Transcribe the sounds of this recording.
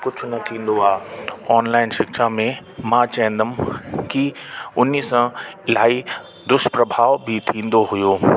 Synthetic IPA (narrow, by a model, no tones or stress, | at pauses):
kʊt͡ʃʰʊnɐt̪ʰĩːn̆d̪oaːɔːnlaːɪnʃɪkʃamẽ | mãt͡ɕɛɪ̃nd̪əmkiʊnːiːsãɪlaːi | d̪ʊʃpɾɐbʱaːʋbʱit̪ʰĩːn̆d̪oɦʊjoː